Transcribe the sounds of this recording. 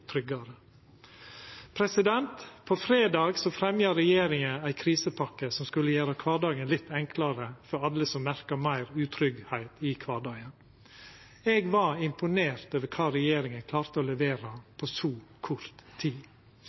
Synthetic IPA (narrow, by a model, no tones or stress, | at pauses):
t̪ʰɾʏɡɑɾə | pʰɾɛsɪd̪ɛnt̪pʰɔfɾeːd̪ɑːɡsɔfɾɛmjɑɾɛjeːɾɪŋəæɪkʰɾiːsəpʰɑkːəsɔmskʉlːəjøːɾəkʰʋɑːɖɑːɡənlɪt̪ʰːɛŋkʰlɑɾəfɔɾɑlːəsɔmmæɾkɑmæɪɾʉːt̪ʰɾʏɡhæɪt̪ʰɪkʰʋɑːɖɑːɡən | ɛɡʋɑɪmpʊneːɾt̪oːʋəkʰɑːɾɛjeːɾɪŋənkʰlɑːɾt̪əoːlɛʋeːɾɑpʰoːsuːkʰʊɾt̪ʰːiː